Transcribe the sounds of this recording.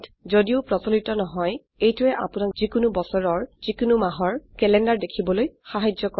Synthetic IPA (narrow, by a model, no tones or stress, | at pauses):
tzodiʊpɹɔsolitɔnɔɦɔj | ejtʊɛʔa̰pʊnakzikʊnubɔsɔɹɔɹzikʊnumaɦɔɹkɛlɛndaɹdekʰibɔlojxaɦad͡ʒɔkɔ